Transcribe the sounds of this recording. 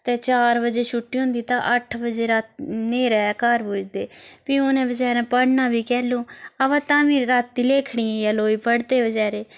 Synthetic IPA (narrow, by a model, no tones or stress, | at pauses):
t̪eːt͡ʃaːɾbəd͡ʒeːʃʊʈːiːõnd̪iːt̪ã̰ːʔəʈʰbəd͡ʒeːɾat̪neːɾɛːkəɾbuːd͡ʒd̪eːpiːoːnẽːbəd͡ʒɛːɾãːpəɽnaːbiːkɛːlõːəʋãːt̪ãːmĩːɾaːt̪ːiːleːkʰɽiːãːjaːloːiːpəɽd̪eːbəd͡ʒɛːɾeː